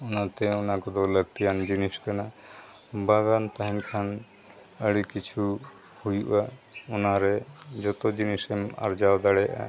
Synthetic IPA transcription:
unat̪ɛɔnakɔd̪ɔləɡt̪ijand͡ʒiniskana | baɡant̪aɦinkʰan | əɽikit͡ʃʰu | hujuʔaɔnaɾɛd͡ʒɔt̪ɔd͡ʒinisɛma̰ɾd͡ʒawd̪aɽɛja̰ʔa̰

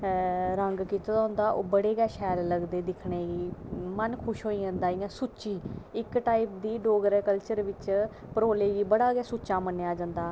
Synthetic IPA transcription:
ɾəŋɡkit̪ːd̪aɦʊ̃nd̪aːʔo̰ːbəɽeːɡɛːʃɛːlləɡd̪eːd̪ɪkʰɳeːɡiːmənkʰʊʃɦoːiːə̃ːnd̪aːɪːãːsut͡ʃiːɪkʈaːip̚d̪iːɖoːɡəɾɛkəlt͡ʃəɾʋɪt͡ʃ | pəɾoːleːɡiːbəɽaːɡɛːsuːt͡ʃaːmənejaːd͡ʒãːnd̪aː

